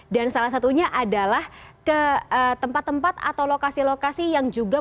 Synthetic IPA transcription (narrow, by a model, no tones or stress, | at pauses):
dansalahs̬at̪uɲaʔadalahkəət̪əmpat̪ːəmpat̪a̰t̪awlokasilokasijaŋd͡ʒuɡa